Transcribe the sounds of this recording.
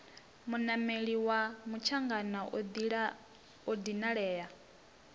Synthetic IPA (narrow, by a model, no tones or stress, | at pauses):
munameɺiwamut͡ʃʰaŋɡanadɺ | od̪inaɺɛːja